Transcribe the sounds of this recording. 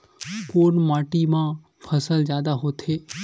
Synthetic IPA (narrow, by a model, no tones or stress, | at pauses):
koːnmaːʈimã | pʰəsəlzjaːd̪aɦot̪ʰeː